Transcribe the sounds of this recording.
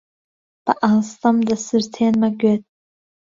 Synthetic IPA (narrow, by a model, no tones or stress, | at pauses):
b̥aʔalstʰʼamdasɨrtʰenmaɡʲetʼ